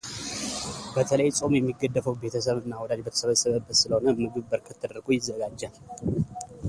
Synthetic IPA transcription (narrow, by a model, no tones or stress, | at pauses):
bət̪ʰələjsʼo̞mjɛmːiɡəd̪ːəfəwbe̞t̪ʰəsəβɨnːawɔd̪ad͡ʒbət̪ʰə̥səβəsəβəbːət̪sɨləho̞nəmɨɡɨβbəɾkʰət̪ʰːəd̪əɾɡujɪzːəɡad͡ʒːə